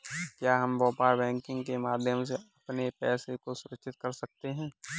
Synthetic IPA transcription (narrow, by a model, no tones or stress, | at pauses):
kjaːɦɐmʋɔːpaːɾbɛ̃ːŋkɪ̃ŋɡkemaːd̪ʱjəmseɐpnepɛːsekosʊɾəkʃɪt̪̚kɐɾsɐk̚t̪eɦɛ̃ː